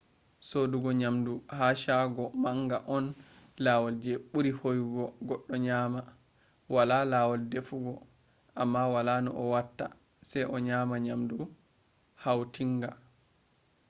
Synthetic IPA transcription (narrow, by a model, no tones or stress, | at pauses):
soduɡɔɲamduhaʃaɡɔmaŋɡaʔɔnlawɔld͡ʒɛɓuɾihojɡɔɡɔɗːɔɲaːma | walalawɔldefuɡɔ | ʔamːawalanɔ̰ʔɔwatːa̰ | sɛjʔɔɲamaɲamdu | hawtiŋɡa